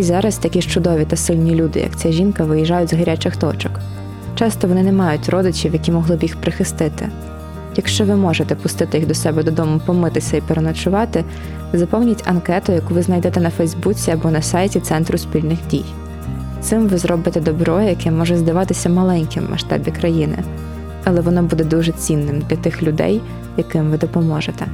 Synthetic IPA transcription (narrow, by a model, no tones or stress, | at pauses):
izɑɾɐst̪ɐkʲiʃt͡ʃʊd̪ɔʋʲit̪ɐsɪlʲnʲilʲud̪ɪ̰jɐ̰kt͡sʲaʒʲinkɐʋɪjiʒɑjʊtʲzɦɐɾʲat͡ʃɪxt̪ɔt͡ʃɔk | t͡ʃɑst̪ɔʋɔnɪnɛmɑjʊtʲrʔɔd̪ɪt͡ʃʲiwjɐkʲimɔɦlˠɪbjixpɾʔeɪxɪst̪ɪt̪ɪ̰ | jɐkʃt͡ʃɔʋɪmɔʒet̪ɛpʊst̪ɪt̪ɪjiɣd̪ɔsɛbɛd̪ɔd̪ɔmʊpɔmɪt̪ɪsʲɐipeɾenɐt͡ʃʊʋɑt̪ɪ | zɐpɔwnʲitʲɐnkɛt̪ʊjɐkuʋɪznɐjd̪ɛt̪ɛnɐfɛjzbut͡sʲiɐbɔnɐsɑjtʲit̪sɛnt̪ɾʊspʲilʲnɪxdʲḭj | t̪sɪmʋɪzɾɔbɪt̪ɛd̪ɔbɾɔjɛjɐkɛmɔʒɛzd̪ɐʋɑt̪ɪsʲɐmɐlˠɛnʲkʲɪm̰mɐ̰ʃt̪ɑ̰bʲikɾɐjinɪ̰ | ɐlˠɛʋɔn̪ɔbud̪ɛd̪uʒɛt͡sʲinːɪmd̪lʲɐt̪ɪxlʲʊd̪ɛ̰j | jɐkɪmʋɪd̪ɔpɔmɔʒet̪ɛ